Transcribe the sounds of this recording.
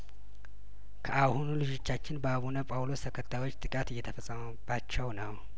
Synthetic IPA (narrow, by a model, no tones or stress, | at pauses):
kʰəʔahunulɨd͡ʒot͡ʃːat͡ʃːɪnbəaβunəpʼawlo̞st̪ʰəkʰət̪ʰːajwo̞t͡ʃːt̪ʼɨkʼat̪ɨjːɛt̪ʰəfəsʼəməb̥at͡ʃːɛwnəw